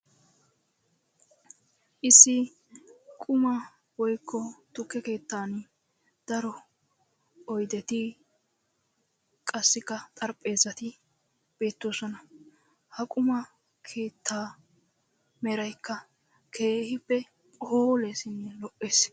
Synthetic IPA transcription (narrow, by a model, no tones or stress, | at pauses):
ʔɪsːɪ | kʼʊmɐ | wɔjkʰːɔt̪ʊkːɛke̞ːt̪ːaːn | d̪̥ɐɾɔ | ɔjd̪ɛt̪ɪ | kʼɐsːɪkːɐt̪ʼɐɾpʼe̞ːzɐt̪ɪ | b̥e̞ːt̪ːoːsɔnɐ | hɐkʼʊmɐ | kʰe̞ːt̪ʰːaː | mɛɾɐjkːɐ | kʰe̞ːhɪpːɛ | pʼoːlesɪnːɛlɔʔeːs